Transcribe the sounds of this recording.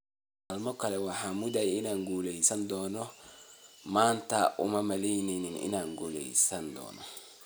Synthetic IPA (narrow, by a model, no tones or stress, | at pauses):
almɔkalɛwahamudajinaŋɡuleisandɔnɔ | mantaʔṵmamalejnininḭnaŋɡulḛisandɔ̰nɔ̰